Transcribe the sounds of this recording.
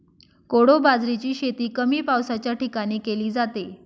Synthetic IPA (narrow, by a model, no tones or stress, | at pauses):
koɽobad͡zɾit͡ɕiːɕet̪iːkəmiːpawsat͡ɕjaʈikaɽ̃iːkeliːd͡zat̪e